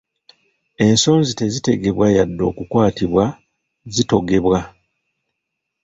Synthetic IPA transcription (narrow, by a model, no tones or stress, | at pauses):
e̞nso̞ːnzite̞zite̞ɡe̞βwajadːo̞ːkukwaːtiβwa | zito̞ɡe̞βwa